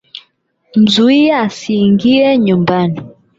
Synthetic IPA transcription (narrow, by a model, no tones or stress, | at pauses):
m̩zuiaːsiːŋɡiɛɲumbani